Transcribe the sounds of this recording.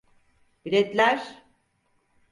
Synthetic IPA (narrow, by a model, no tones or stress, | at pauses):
biɾɛt̪lʲæɾ̥